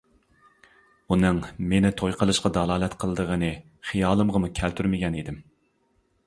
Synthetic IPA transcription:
unɨŋmenɪt̪ʰojqʰəlˠɨʃqɑd̪ɑlˠɑːlˠɛt̪qʰəlˠɨd̪əʁənɨ | χijɑːlˠɨmʁəmukʲʰælt̪ʰyɾmɪɡʲɛnid̪ɪm

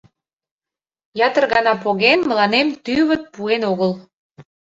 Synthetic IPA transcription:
jɑt̪ərɣɑnɑpoɣenməlɑnemt̪yβət̪̚puenoɣəl

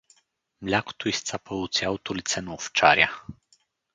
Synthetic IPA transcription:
mlʲaku̥t̪uist̪sapəut̪sjawt̪ulit̪sɛnɔft͡ʃa̰ɾja

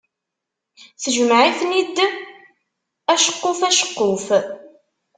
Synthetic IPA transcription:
θəʒəmʕifnid̪ | æʃə̥qːofæʃə̥qːʊf

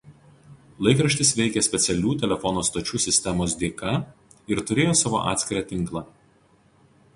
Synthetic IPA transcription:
lˠɐɪkɾɐʃʲt̪ʲɪsʋʲɛɪkʲɛsʲpʲɛt̪sʲɛlʲuːt̪ʲɛlʲɛfɔnoːst̪oːt͡ʃʲuːsʲɪsʲt̪ʲɛmoːsd̪ʲeːkɐ | ɪɾt̪ʊɾʲeːjoːsɑːʋo̰ːʔɑ̰ːt̪sʲkʲɪɾɑːt̪ʲɪŋˑklˠɑːˑ

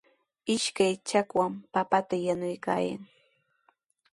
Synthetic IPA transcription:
ɪʃkajt͡ʃakwampapat̪ajanʊjka̰ːja̰ŋ

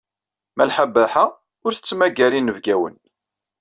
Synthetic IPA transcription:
mælħabːæħa | ʊɾθə̥t͡sːmæɡælinːəvɡæwə̰n

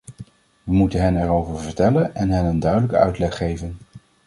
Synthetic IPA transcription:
ʋəmutənɦɛnɛɹowvəɹvəɹtɛlənɛnɦɛnəndœɥdələkəœ̰ɥtlɛχːejvən

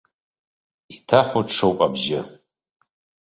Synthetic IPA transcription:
itʰaχʷoʈ͡ʂʰowpʼabʒɪ

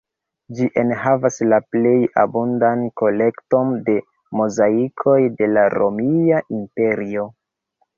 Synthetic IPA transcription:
d͡ʒiʔe̞nɦavaslaple̞ja̰bundanko̞le̞kto̞nde̞ | mozaikʰo̞jde̞laɾo̞̰miaʔimpe̞ɾio̞

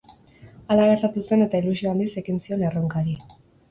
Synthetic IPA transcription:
alaɣest̪at̪use̞ne̞t̪ailusio̞and̪ise̞ɣinsio̞ne̞roŋkaɾi

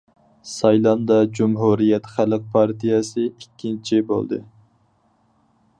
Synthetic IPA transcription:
sɑjlˠɑnd̪ɑd͡ʒumɦuɾijɛt̪χælɨq̚pʰɑɾt̪ʰijɛsɨikʲʰːint͡ʃʰibo̰lˠd̪ɨ̰

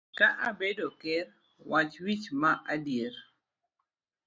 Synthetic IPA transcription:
kaʔabedokɛr | wat͡ʃwit͡ʃmaʔadjeɾ

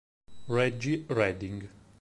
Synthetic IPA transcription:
ɹɛd͡ʒiɹɛd̪iŋɡ

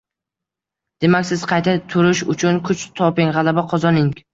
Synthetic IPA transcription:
d̪̥e̞makʲsɪz̥qʰɑjt̪ʰat̪ʰʊɾɪʃʊt͡ʃʰʊnkʰʊt͡ʃt̪ʰɒpɪŋʁɑlabaqʰɒzɒnɪŋ

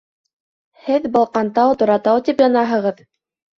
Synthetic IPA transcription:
hɘðbɤ̆lˠqɑnt̪ɑwt̪ŏɾɑt̪ɑwt̪ipjɑnɑɦɤ̆ʁɤð

